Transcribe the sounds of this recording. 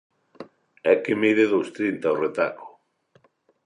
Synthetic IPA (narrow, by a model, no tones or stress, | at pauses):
ɛkemiðeðost̪ɾint̪aoret̪a̰ko̥